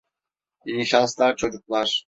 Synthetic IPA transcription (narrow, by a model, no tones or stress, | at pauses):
jijiʃanslˠaɾt͡ʃʰo̞d͡ʒuklˠaɾ̥